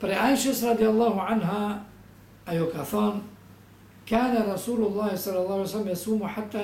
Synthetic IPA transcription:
faɾiʔaːʔɪʃasɾˤɑd̪ˤɪjalˤːɑːɦʊʕanɦa | ʔajʊkaθɑːn | kaːnaɾˤɑsuːlʊlˤːɑːhsˤɑlːɑlˤːɑːhʕajsalːamjasuːmħat̪ːa

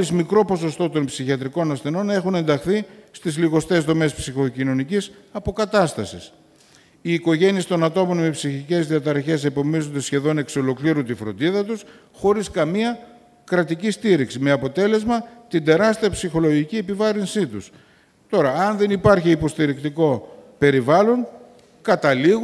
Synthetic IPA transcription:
izmikɾo̞po̞so̞st̪o̞t̪o̞npsiçiɐt̪ɾiko̞nɐsθe̞no̞ne̞xune̞nd̪ɐxθist̪izliɣo̞st̪e̞zðo̞me̞spsixo̞cino̞nicis | ɐpo̞kɐt̪ɐst̪ɐsis | iːko̞ʝe̞niest̪o̞nɐt̪o̞mo̞nme̞psiçice̞zðiɐt̪ɐɾɐçe̞se̞po̞mizo̞nd̪e̞sçe̞ðo̞ne̞kso̞lo̞kliɾunt̪ifɾo̞̰nd̪iðɐt̪us | xo̞ɾiskɐmiɐ | kɾɐt̪icist̪iɾiksime̞ɐpo̞t̪e̞le̞zmɐt̪ind̪e̞ɾɐst̪iɐpsixo̞lo̞ʝicie̞pivɐɾinsit̪us | t̪o̞ɾɐːnðe̞nipɐɾçiːpo̞st̪iɾikt̪iko̞pe̞ɾivɐlo̞ŋ | kɐt̪ɐliɣ

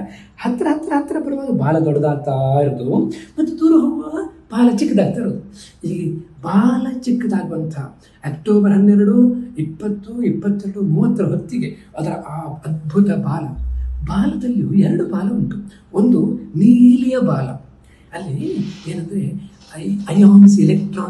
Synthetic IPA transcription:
hɐt̪ːɐɾɐɦɐt̪ːɐɾɐɦɐt̪ːɐɾɐpɐɾɐʋaːɡɐbaːlɐɡɐɽɐd̪aːt̪aːɾɐd̪umɐt̪ːud̪uːɾɐɦɐʋɐɐb̥aːlɐt͡ʃikːɐd̪aːɾt̪aːɾɐd̪uilːɡebaːlɐt͡ʃikːɐd̪aːɡɐʋɐnt̪ʰɐ | ɐkʈoːbɐɾɦɐnːɛɾɐɾuipːɐt̪ːuipːɐt̪ːɐɐɽumuːʋɐt̪ːɐɾɐɦot̪ːiɡeɐd̪ɐɾɐʔːɐd̪̚bʱut̪ɐbaːlɐbaːlɐd̪ɐlːjuɛɾɐɽubaːlɐuɳʈ̪u | ond̪uniːlijɐbaːlɐ̰ | ɐlːieːnɐnd̪ɾe̞ | ɐɐjaːmisilekʈɾaː

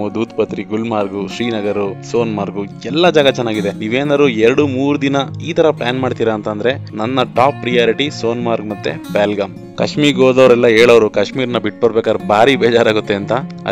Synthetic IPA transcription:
ud̪uːt̪pɐt̪ɾiɡulmaːɾɡuʃɾiːnɐɡɐɾuso̞ːnmaːɾɡuɛlːɐd͡ʒaːɡɐt͡ʃɛnːaːɡid̪eniːʋeːnaːd̪ɾuɛɾɐɽumuːɾud̪inɐiːt̪ɐɾɐplaːnmaːɖt̪iːɾɐːnt̪ɐnd̪ɐɾe̞nɐnːɐʈaːpːɾijaːɾiʈiso̞ːnmaːɾɡmɐt̪ːe̞̰baːlɡɐm | kɐʃmiːɾɡoːd̪ɐʋɐɾɛlːɐeːɭɐʋɐɾukɐʂmiːɾnɐbiʈ̚ːbɐɾbeːkaːd̪ɾbʱaːɾibɛːd͡ʒaːɾaːɡut̪ːe̞ɐnt̪ɐɐ̰

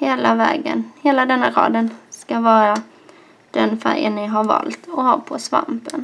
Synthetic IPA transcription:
heːlavɛːɡənheːlad̪ɛnːaɾɑ̰ːd̪ənskavɑːɾa | d̪̥ɛnfæɾjənːɪɦaɾvɑ̰ːlt̪ɔhaɾpʰɔsva̰mpən

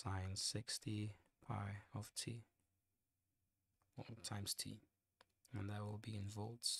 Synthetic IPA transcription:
sãɪ̃n̥sɪkstipʰa̰ɪɔftʰi | ɔtʰãɪ̃mz̥tʰḭ | ə̃nðəwɪlˠbiɪ̃nvɔlˠdz̥

